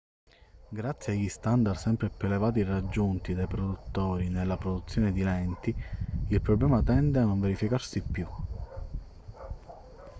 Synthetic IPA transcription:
ɡɾat̪sːjeaʎist̪and̪arsɛmpɾepɾelevaːt̪̬irad͡ʒːunt̪id̪ajpɾod̪ut̪ːɔːɾinelːapɾod̪ut̪sːjɔːned̪ilɛnt̪iilpɾɔblɛːmat̪ɛnd̪eanːoɱveɾifikaɾsipːju

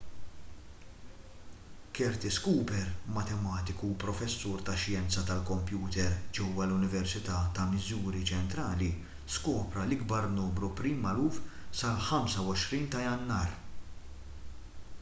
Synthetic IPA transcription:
kɛɾt̪ɪskuːpɛɾmɐt̪ɛmɐːt̪ɪkupɾɔfɛsːuːɾt̪ɐʃjɛnt͡sɐt̪ɐlkɔmpjuːt̪ɛɾd͡ʒɛwːɐlʊnɪvɛɾsɪt̪ɐːt̪ɐmɪzuːɾit͡ʃɛnt̪ɾɐːli | skɔːpɾɐlɪɡbɐɾnuːmɾupɾimɐluːfsɐlħɐmsɐwɔʃɾiːnt̪ɐjɐnːɐːɾ

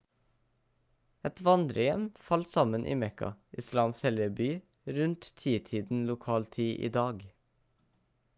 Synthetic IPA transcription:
ɛt̪ʋɑnd̪ɾəjɛmfɑlsɑmənʔḭːmɛkɑ̰ʔɪslɑːmshɛljəbyː | ɾʉnt̪t̪ʰiːt̪ʰiːd̪n̩lʊkʰɑːlt̪ʰiːʔḭːd̪ɑːɡ

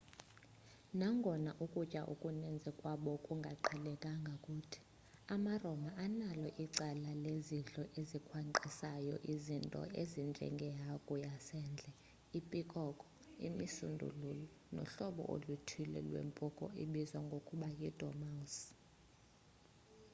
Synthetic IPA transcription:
naŋɡʱɔnaʔukʼut͡ʃʼaʔukʼunɛnd͡zʱɛkʼwaɓɔkʼuŋɡʱaǃʰɛlɛkʼaŋɡʱakʼutʰi̥ | amarɔmaʔanalɔʔiǀɛlaleziɬʼɔʔezikʰwaǃisajɔ̰ʔizintʼɔ̰ʔezind͡ʒʱɛ̰ŋɡʱɛjakʼujasɛːnd͡ɮʱɛ | ipʼikʼɔkʼɔ̥ | ḭmisṵndʱṵlulɔ | nɔ̰ɬɔɓɔ̰ʔo̰lutʰilɛ̰lwḛmpʼɔkʼɔ̰ʔiɓizwaŋɡʱokʼuɓajid̥ʱɔ̰mas

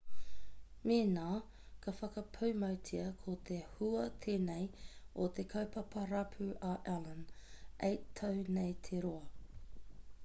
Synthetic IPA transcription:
meːnaː | kʰɐfɐkɐpʰɐwmɐwtʰiɐkʰot̪ʰehuɐt̪ʰeːnejot̪ʰekʰɐwpɐpʰɐɾɐpʰʉʔaʔɛlənʔejt̪ʰɐwnejt̪ʰeɾoɐ

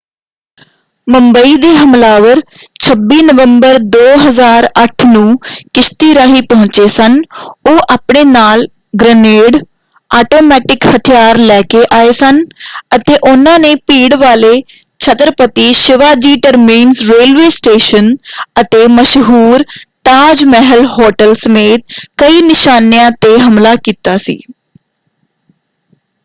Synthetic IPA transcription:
mə̃mbəid̪iːɦəmlaːʋəɾt͡ʃʰəbiːnəʋə̃mbəɾd̪oːɦəzaːɾəʈʰnũːkɪst̪iːɾaːɦiːpɐɦʊ̃t͡ʃeːsənoːʔaːpɽeːnaːl | ɡɾəneːɽ | aːʈoːmɛːʈɪkhət̪ʰijaːɾlɛːkeʔaːeːsənət̪eːʔʊnãːneːpiːɽʋaːleː | t͡ʃʰət̪ɾəpət̪iːʃɪʋaːd͡ʒiːʈəɾmiːnzɾeːlʋeːsʈeːʃənət̪eːməʃɦuːɾt̪aːd͡ʒmɛɦəlɦɔːʈəlsəmeːt̪̚kəiːnɪʃaːnjãːt̪eːɦəmlaːkiːt̪aːsḭː

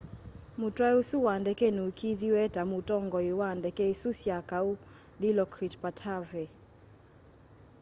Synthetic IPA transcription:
mutwausuwandɛkɛnuukʰiðiwɛtamutɔŋɡɔiwandɛkɛisusjakau | ɗilɔkɾitpatʰavɛ

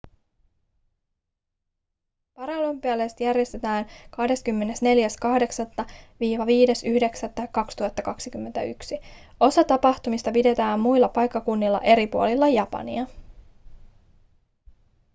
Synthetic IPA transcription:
pɑɾɑlompiælest̪jærjest̪e̞t̪æːnkɑhde̞skymːe̞ne̞sne̞ljæskɑhde̞ksɑt̪ːɑʋiːʋɑʋiːde̞syhde̞ksæt̪ːɑjkkːɑkst̪uhɑt̪ːɑkɑksikymːent̪æyksio̞sɑt̪ɑpɑht̪umist̪ɑpide̞t̪æːmmujlːɑpɑjkːɑkunːilːɑ̰ʔe̞ɾipuo̞lilːɑjɑpɑ̰nḭɑ

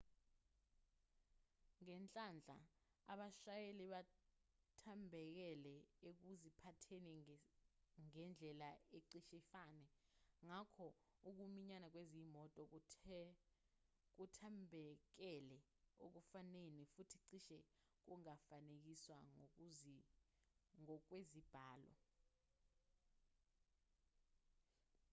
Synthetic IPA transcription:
ŋɛnt͡ɬʼand͡ɮʱa̰aɓaʃajeliɓa | tʰambʱɛk̬ɛlɛek̬uzipʰatʰenɛ | ŋɛnd͡ɮʱɛlaeǀiʃɛfaːnɛŋakʰɔ | uk̬umiɲanak̬wezimɔtʼɔ | k̬utʰambʱɛk̬ɛlɛ | ok̬ufanenifutʰiǀiʃɛ | k̬uŋafanek̬iswaŋ | ŋɔk̬wezib̥ʱaːlɔ̰

